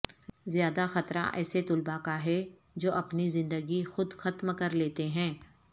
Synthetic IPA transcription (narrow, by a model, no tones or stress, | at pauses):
zjaːd̪axɐt̪ɾã̰ʔɛ̰ːset̪ʊlbakaɦɛ | d͡ʒoːʔɐpnizɪ̃nd̪əɡixʊd̪xɐt̪mkɐɾleːt̪eɦɛ̃ː